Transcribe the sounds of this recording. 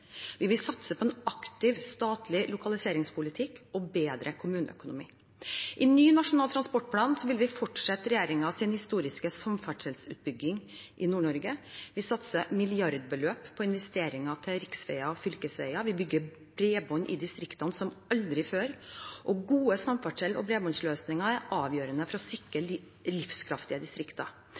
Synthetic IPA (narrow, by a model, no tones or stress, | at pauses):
ʋɪʋɪlsɑt̪səpʰɔɛnɑkt̪ɪʋst̪ɑːt̪ʰlɪlʊkɑlɪseːɾɪŋspʰʊlɪt̪ʰɪkːɔbeːd̪ɾəkʰʊmʉːnə̰œ̰kʊnʊmḭː | ʔɪnyːnɑʂʊnɑlt̪ʰɾɑnspɔʈ̚pʰlɑːnsɔʋɪlʋɪfɔʈʂɛt̪ːɾɛjeːɾɪŋɑɑsɪnhɪst̪uːɾɪskəsɔmfæʈʂɛlsʉ̰ːt̪̚bʏɡːɪŋʔɪnuːɳɔɾɡəʋɪsɑt̪səmɪlɪjɑɾd̪bəløːppʰːɔɪnʋɛst̪eːɾɪŋɑt̪ʰɪlɾɪksʋɛ̰ɪɑɔfʏlkəsʋæ̰ɪɑʋɪbʏɡːə | bɾeːbɔɲːʔɪ̰d̪ɪst̪ɾɪkt̪ɑnsɔmɑld̪ɾɪføːɾʔɔɡuːəsɑmfɑʈʂɛlɔ̰bɾeːbɔnsløːsnɪŋɑæɾʔɑːʋjøːɾənəfɔɾɔsɪkɾə | lɪfskʰɾɑft̪ɪəd̪ɪst̪ɾɪkt̪ɑ̰